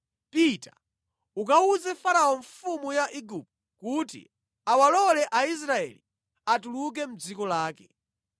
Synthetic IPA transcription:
pita | ukauzɛfaɾaɔɱfumujaʔiɡup̚t | kutḭ | awalɔlɛʔais̬ɾaɛ̰li | atuluk̬ɛm̩d͡zikɔlaːkɛ

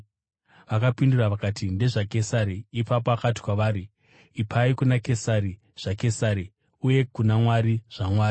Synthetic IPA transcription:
ʋakapinduraʋakaːtʰinde̞ʐake̞saɾiːpap̬oakati̥kwaʋaːɾiː | pʰaikunake̞saɾi | ʐ̥ake̞saɾi | uje̞kunamwaɾiʐ̥amwaːri

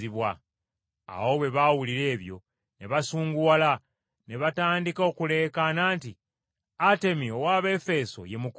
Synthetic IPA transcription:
iβwa̰ː | wo̞βwe̞βawuliɾe̞ːβjo̞̰ | ne̞βasuːŋɡuwala | ne̞βataːndiko̞kule̞ːkanaːnti | ate̞miowaːβe̞fe̞so̞̰je̞muk

